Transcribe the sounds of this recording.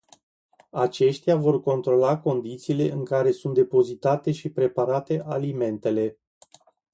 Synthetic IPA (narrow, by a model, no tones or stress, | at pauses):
at͡ʃe̞ʃt̪javo̞rko̞nt̪ɾo̞lako̞nd̪it̪siːle̞ʔɨŋkaɾe̞sunt̪̚d̪e̞po̞zit̪at̪e̞ʃipɾe̞paɾat̪e̞ʔalime̞nt̪e̞le̞